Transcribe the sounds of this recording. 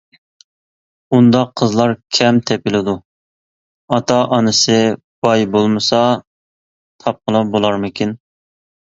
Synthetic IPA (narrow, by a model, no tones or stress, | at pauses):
und̪ɑqʰːəzlˠɑɾkʲʰɛmt̪ʰɛpɪlɪd̪u | ɑt̪ʰɑʔɑnɨsɨ | b̥ɑjbolˠmɨsɑ | t̪ʰɑp̚qʰəlˠɑbolˠɑɾmɪkʲin